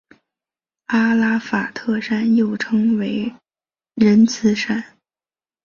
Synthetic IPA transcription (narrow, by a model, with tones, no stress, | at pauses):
a˥la˥fa˨˩t̪ʰɤ˥˩ʂa˥njo˥˩ʊʈ͡ʂʰɤ˥ŋwe˧˥ɪ | ɻə˧˥nt͡sʰɹ̩˧˥ʂa˥n